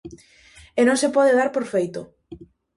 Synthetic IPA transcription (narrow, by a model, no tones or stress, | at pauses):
enõŋsepɔðeðaɾpoɾfejt̪o